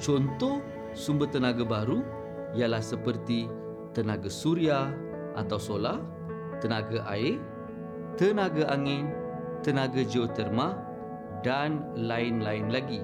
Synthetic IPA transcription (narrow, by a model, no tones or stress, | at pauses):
t͡ʃɔnt̪ɔh | sumbət̪ənaɡabaɾu | ijalahsəpərt̪i | t̪ənaɡasuɾia | ʔa̰t̪awsolah | t̪ənaɡaʔaɪ | t̪ənaɡaʔaŋɪn | t̪ənaɡad͡ʒiot̪ərma | danlaɪnlaɪnlaɡi